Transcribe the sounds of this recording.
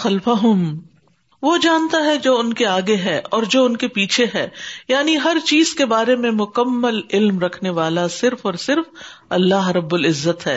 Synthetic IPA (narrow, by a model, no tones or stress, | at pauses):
xɐlfaɦʊm | ʋod͡ʒaːnt̪aɦɛd͡ʒoːʊnkeaːɡeɦɛːʔɔːɾd͡ʒoːʊnkepiːt͡ʃʰeɦɛːjaːniɦɐɾt͡ʃiːz̥kebaːɾemẽmʊkəmːəlɪlmɾɐkʰneʋaːlasɪɾfɔːɾsɪɾfɐlːaːɦɾɐbːʊlɪzːət̪ɦɛː